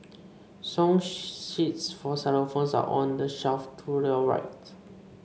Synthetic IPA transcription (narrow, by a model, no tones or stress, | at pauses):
sɔ̃ŋʃitsfɔsɛlofõnsa̰ʔɔ̃ndəʃɛlftʰuɹiəɹa̰ɪt